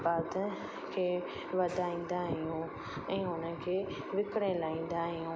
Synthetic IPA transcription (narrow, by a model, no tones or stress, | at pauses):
baːt̪ə | kʰeː | ʋɐd̪ʱaːĩːn̆d̪aɦɪjũ | ɛ̃ːɦʊnə̆kʰeː | ʋɪkɽ̃ẽlaːĩːn̆d̪aɦɪjũ